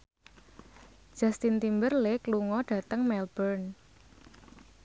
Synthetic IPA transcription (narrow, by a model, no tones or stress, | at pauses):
d̥ʒ̥a̤st̪int̪imbərlekluŋɔɖ̥ä̤t̪əŋmɛlbərn